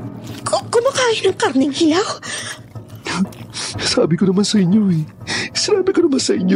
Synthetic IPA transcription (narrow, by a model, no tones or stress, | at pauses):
kokʊmɐkaːjɪnɐŋkaɾnɛŋhɪlaw | saːbɪkonɐmansɐʔɪɲjoɛsɪnaːbɪkonɐmansɐʔɪɲːo